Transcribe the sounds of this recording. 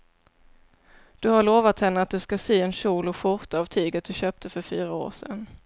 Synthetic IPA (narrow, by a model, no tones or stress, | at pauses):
d̪̥ɵhaɭoːvat̪hɛnːəat̪̚d̪ɵskasyːɛnɕuːlʊɧʊɾt̪avt̪ʰyːɡət̪̚d̪ɵɕøːp̚t̪ʰəfœɾfyːɾao̰ːʂɛ̰n